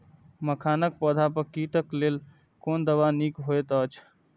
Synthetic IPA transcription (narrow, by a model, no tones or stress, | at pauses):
məkʰanək̚pɔd̪ʱapəɾkiʈ̪əklel | kond̪əbanikɦojt̪ət͡ʃʰ